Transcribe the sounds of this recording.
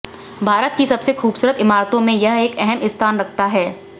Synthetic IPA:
bʱaːɾət̪̚kisɐbsexuːbsuːɾət̪ɪmaːɾt̪õmẽjɐɦeːkɛɦɛmɪst̪ʰaːnɾɐkʰt̪aɦɛː

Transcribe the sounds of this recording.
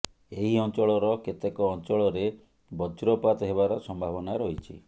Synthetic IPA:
eɦiɔnt͡ʃɔɭɔɾɔket̪ekɔːnt͡ʃɔɭɔɾe | bɔd͡ʒɾɔpat̪ɔɦeβaɾɔsɔmbʱabɔnaɾɔɦit͡ʃʰḭ

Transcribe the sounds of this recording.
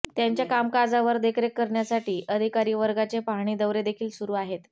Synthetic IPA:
t̪jaɲt͡ɕjakamkad͡zaʋəɾd̪ekʰɾekːəɾɳjasaʈiːʔəd̪ʱikaɾiːʋəɾɡat͡sepaɦɽ̃iːd̪əʋɾed̪ekʰiːlsuɾuːaɦet̪

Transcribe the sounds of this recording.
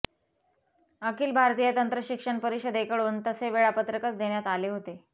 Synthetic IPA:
əkiːlbʱaɾt̪iːjət̪ənt̪ɾəɕikʂəɳpəɾiɕəd̪ekəɭuːnt̪əseʋeɭapət̪ɾəkət͡sd̪eɳjat̪aleɦot̪e

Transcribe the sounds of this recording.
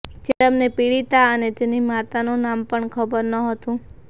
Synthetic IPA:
d͡ʒeəmnepiɭit̪aənet̪enimat̪anũnampəɳkʰəbəɾnəɦət̪ũ

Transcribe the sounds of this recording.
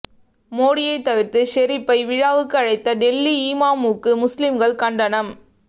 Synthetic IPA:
moːɽɪjɐɪt̪ːɐʋɪɾt̪ɯʃɛɾɪpːɐɪʋɪɻaːʋɯkːɯɐɻɐɪt̪ːɐɖɛlːiiːmaːmuːkːɯmʊslɪmɡɐɭkɐɳɖɐnɐm

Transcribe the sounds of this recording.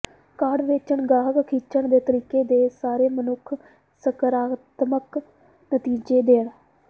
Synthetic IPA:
kaɽʋeːt͡ʃəɳɡaːɦəkkʰiːt͡ʃəɳd̪eːt̪əɾiːkeːd̪eːsaːɾeːmənʊkʰ | səkəɾaːt̪mək | nət̪iːd͡ʒeːd̪eːɽ

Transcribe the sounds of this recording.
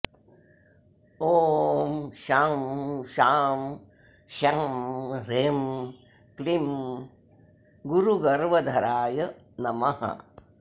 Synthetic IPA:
oːmʃaːmʃaːm | ʃɐmɾem | klim | ɡuɾuɡɐɾʋɐd̪ʱɐɾaːjɐ | nɐmɐhɐ̰

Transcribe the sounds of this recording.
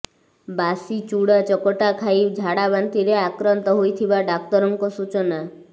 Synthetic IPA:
basit͡ʃuɽat͡ʃɔkɔʈakʰajbd͡ʒʱaɽabant̪iɾeakɾɔnt̪ɔɦojt̪ʰibaɖak̚t̪ɔɾɔŋkɔsut͡ʃɔna

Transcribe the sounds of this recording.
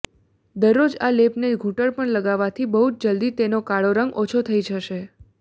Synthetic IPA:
d̪əɾːod͡ʒalepneɡʱũʈəɭpəɳləɡaʋat̪ʰibəɦutd͡ʒəld̪it̪enokaɭoɾəŋɡot͡ʃʰot̪ʰəjd͡ʒʱəʃe

